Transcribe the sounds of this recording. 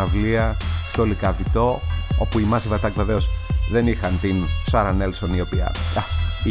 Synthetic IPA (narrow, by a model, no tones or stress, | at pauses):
ɐvliɐst̪olikɐvit̪o̞opuimɐzivɐt̪ɐkve̞veo̞sðe̞nixɐnt̪insɐɾɐnelsonio̞piɐ̰ɐ